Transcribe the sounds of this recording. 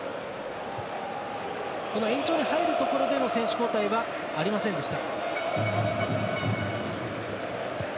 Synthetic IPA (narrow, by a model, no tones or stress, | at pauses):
ko̞no̞ẽ̞ɲ̟t͡ɕo̞ːɲ̟ihaiɾɯ̟t̪o̞ko̞ɾo̞d̪e̞mo̞sẽɕɨ̥ko̞ːt̪aiβaː | ɾʲimasẽnd̪e̞ɕi̥t̪a